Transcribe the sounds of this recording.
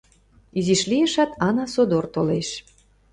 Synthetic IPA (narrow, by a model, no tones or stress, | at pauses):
iziʃlijə̆ʃæt̪ɑnɑsod̪ort̪oleʃ